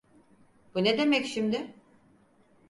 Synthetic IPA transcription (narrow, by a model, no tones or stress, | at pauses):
b̥uned̪e̞mɛcʃimd̪ɪ